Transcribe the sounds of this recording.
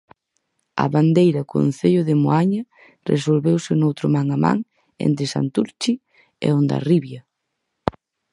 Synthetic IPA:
ɐ̰βand̪ejɾɐko̰n̟θeʎʊðɪmoaɲɐ | rʔes̬olβewsɪnowt̪ɾʊmaŋama̰ŋ | ḛnt̪ɾesa̰nt̪uɾt͡ʃi | ḛond̪a̰riβjɐ

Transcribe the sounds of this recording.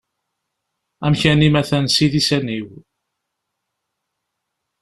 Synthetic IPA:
æmçænimæθænsiðisæniw

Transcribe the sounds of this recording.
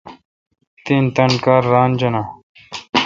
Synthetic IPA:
t̪int̪ɐnkaːɾːaːnd͡ʑɐna

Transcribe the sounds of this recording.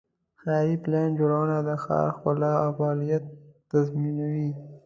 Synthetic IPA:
xaɾipland͡ʒoɽawənad̪əxɑ̰ɾxʊlɑafɑlijat̪ː | azminawi

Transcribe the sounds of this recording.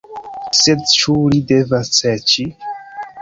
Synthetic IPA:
sedt͡ʃulidevasɛt͡ʃi

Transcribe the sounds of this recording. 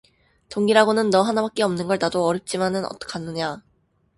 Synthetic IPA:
toŋɡiɾaɡonɯnːʌɦanabak̚k͈e̞ʌmnɯnɡʌɭnadoʌɾjʌp̚t͡ɕ͈imanɯnʌ̰t͈ʌ̥kʰanːɯɲa

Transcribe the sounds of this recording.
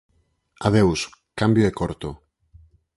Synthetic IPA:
aðewskambjoekoɾt̪o

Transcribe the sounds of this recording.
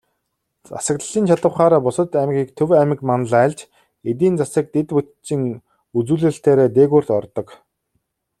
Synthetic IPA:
t͡sa̰sə̆kt̪ə̆ɮiːnt͡ɕʰaɮə̆wχaːɾaːpʊsə̆t̪æmɡʲiːkt̪ʰɵwæmɘ̆kmanə̆ɮæːɮt͡ɕ | et̪̬iːnt͡sasə̆k̚t̪et̪put̪t͡ɕĭŋ | ut͡suːɮɘ̆ɬt̪eːɾeːt̪̬eːɣuːrt̪ɔrt̪ɞ̆k

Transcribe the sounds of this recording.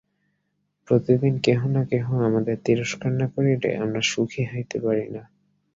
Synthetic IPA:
pɾot̪id̪inkeɦonakeɦõamad̪eɾt̪iɾoʃkaɾnakoɾeʈḛʔamɾaʃukʰiɦojt̪epaɾina

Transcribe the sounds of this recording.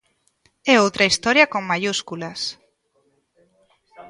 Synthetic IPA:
ɛowt̪ɾaist̪ɔɾjɐkoŋmaʎuskulas

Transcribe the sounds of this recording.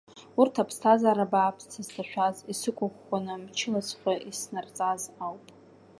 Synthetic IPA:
urtʰapʰstʰazaːɾabaːpʰst͡sʰaztʰaʃʷᶣazisɨkʷʼaχʷanɨmt͡ʃʰɪlat͡sʰʼχʷaʔisnart͡sʼazawpʼ

